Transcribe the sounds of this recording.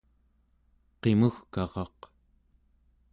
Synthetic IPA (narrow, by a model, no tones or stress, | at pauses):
qe̞muxkɑʁɑq